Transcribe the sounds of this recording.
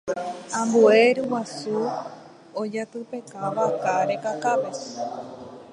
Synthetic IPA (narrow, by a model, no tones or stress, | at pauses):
ãmbueɾuwasu | od͡ʒat̪ɨpe̞kaʋakaɾekakape